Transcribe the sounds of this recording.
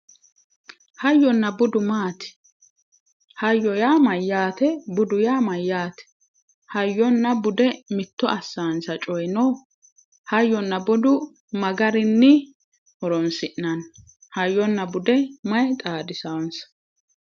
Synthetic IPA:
hɐjːɔnːɐbʊd̪ʊmaːt̪ɛ̥ | hɐjːɔjaːmɐjːaːt̪ɛbʊd̪ʊjaːmɐjːaːt̪ɛ̥ | hɐjːɔnːɐbʊd̪ɛmɪt̪ːɔʔɐsːaːnsɐt͡ʃʼɔjnɔː | hɐjːɔnːɐbʊd̪ʊ | mɐɡɐɾɪnːɪ | ʔɔɾɔnsɪʔnɐn | hɐjːɔnːɐbʊd̪ɛmɐjt̪ʼaːd̪ɪsɐwnsɐ̥

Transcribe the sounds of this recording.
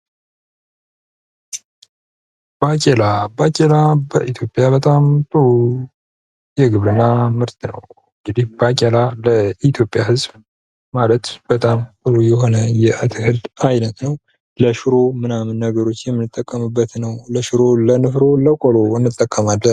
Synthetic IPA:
b̥akʼelabakʼelabəʔit̪ʰjo̞pʼjaβət̪ʼamt̪ʼu | jɛɡɨβɾɨnːamɨɾt̪nə̰w | ɨŋɡɨd̪ihbakʼelaləʔit̪ʰjo̞pʼjahɨzb | malət̪b̥ət̪ʼamtɨlujɛɦo̞nəjɛʔat̪ʰɨhɨld̪ajnət̪nəw | ləʃɨɾo̞mɨnamɨnːəɡəɾo̞t͡ʃːjɛmːɨnɨt̪ʼːəkʼːəmɨbːət̪nəwləʃɨɾolənɨfɾo̞ləkʼolo̞ɨnːɨt̪ʼːəkʼːəmalːən

